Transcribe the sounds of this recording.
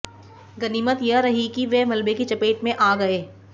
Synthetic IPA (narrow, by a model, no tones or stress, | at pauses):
ɡɐniːmət̪jɐɾɐɦikiʋɛmɐlbekit͡ʃɐpeːʈmẽʔaːɡɐeː